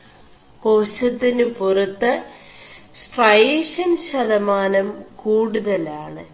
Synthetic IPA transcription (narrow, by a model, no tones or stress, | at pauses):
ko̞ːɕɐt̪ːinɨpurɐt̪ːɐ | sʈrɐjeːʂɐnɕɐðɐmaːnɐmkuːɽuðɐlaːɳɨ